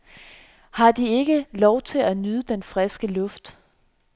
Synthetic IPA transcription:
hɑ̈d̥ie̝ɡ̥əlɒʊt͡sʰe̝lænyːð̞ˠəd̥enfʁɛsɡ̥əlɔ̽fd̥

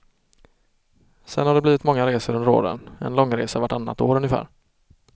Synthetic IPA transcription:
sɛnhaɖɛb̪iːvɪt̪mɔŋːaɾeːsəɾɵnd̪əɾo̰ːd̪ə̰nɛ̰nlɔŋːɾeːsaɾvaʈːanːa̰t̪oːɾɵnjɪfæ̰ːɾ

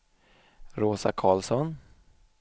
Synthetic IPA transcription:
ɾoːsakʰɑːlsɔn

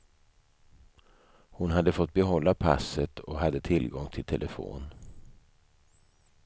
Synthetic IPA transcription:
hʊnɦad̪ːəfɔt̪̚ːbɛɦɔlːapʰa̰sət̪ʰɔɦad̪ːət̪ʰɪlɡɔŋt̪ʰɪlt̪ʰɛlʔəfo̰ːn

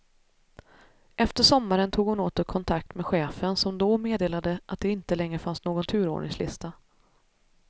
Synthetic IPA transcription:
ʔɛft̪əʂɔmːaɾənt̪ʰuːɡhʊnoːt̪ɔkʰɔnt̪ʰakt̪meːɧeːfənsɔmd̪ɔmeːd̪eːlad̪əʔat̪̚d̪ɛɪnt̪əlɛŋɾəfansnoːɡɔnt̪ʰʉ̟ːɾo̰ːɳɪ̰ŋslɪ̰st̪a

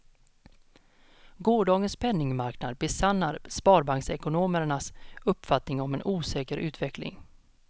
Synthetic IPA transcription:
ɡoːɖɑːɡənspʰɛnːɪŋmaɾknad̪̚bɛsanːaɾspɑːɾbaŋksɛkʊnoːməɳasɵpːfat̪nɪŋɔmɛnʔuːsɛːkəɾʔʉ̟ːt̪ʰvɛklɪ̰ŋ

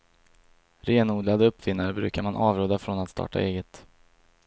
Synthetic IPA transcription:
ɾeːnuːd̪lad̪əɵpːfɪnːaɾbɾʉ̟ːkaɾmanʔɑːvɾuːd̪afɾɔnat̪st̪ɑ̰ːʈa̰ʔeːɡət̪

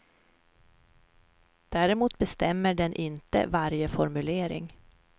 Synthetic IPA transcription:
d̪̥æːɾɛmuːt̪bɛst̪ɛmːəɖɛnʔɪnt̪ə̰vaɾjəfɔɾmɵleːɾɪ̰ŋ

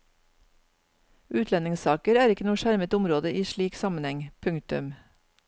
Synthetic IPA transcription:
ʔʉːt̪lɛnɪŋsɑːkəɾæːɾɪkənuːʃæɾmət̪ʊmɾoːd̪əʔiːʃɭiːksɑmənhɛŋpʰʉŋkt̪ʉ̰m

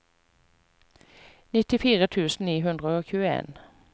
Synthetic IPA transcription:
nɪt̪ɪfiːʁət̪ʰʉːsn̩niːɦʉnd̪ʁəoːçʉːəḛːn

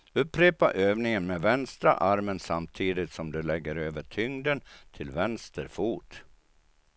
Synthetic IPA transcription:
ɵpːɾeːpaʔøːvnɪŋənmevɛnst̪ɾa̰ʔaɾmənsamt̪ʰiːd̪ɪt̪sɔmd̪ɵlɛɡːəɾøːvəʈʰʏŋd̪ənt̪ʰɪlvɛnst̪əɾfuːʈ

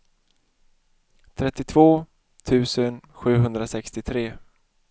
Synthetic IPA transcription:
t̪ʰɾɛt̪ːɪt̪ʰv̥oː | t̪ʰʉ̟ːsənɧʉ̟ːɦɵnd̪ɾasɛkst̪ɪt̪ʰɾeː

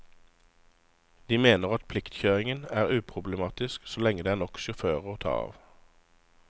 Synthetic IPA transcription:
d̪iːmeːnəʁɑt̪̚pʰlɪkt̪çøːʁɪŋənæːʁʉːpʰʁʊbləmɑːt̪ɪsksoːlɛŋəd̪eːæːʁnɔkʃʉføːʁəoːt̪ʰɑ̰ːɑ̰ːʋ

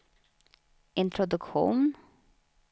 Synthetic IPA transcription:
ʔɪnt̪ʰɾɔd̪ʊkɧṵːn

